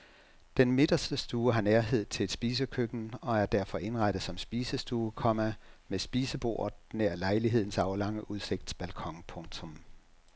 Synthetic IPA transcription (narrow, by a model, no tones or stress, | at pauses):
d̥enme̝d̥ɐsd̥əsd̥uːɦɑ̈næɐɦe̝ð̞̰ˠt͡sʰe̝ld̥sb̥iːsəkʰøɡ̥n̩ɒ̽æɐd̥æɐ̰fɒ̽ʔe̝nʁɑd̥əð̩ˠsɒ̽msb̥iːsəsd̥uːkʰɒ̽mæmesb̥iːsəb̥o̝̰ːɐ̰neɐ̰lɑ̈ɪliɦe̝ð̞̰ˠn̩sɑ̈ʊlɑ̈ŋ̰əʔuðˠse̝ɡ̥d̥t͡sʰe̝̥b̥ælkʰɒ̽ŋpʰɔ̽ŋt͡sʰɔ̽m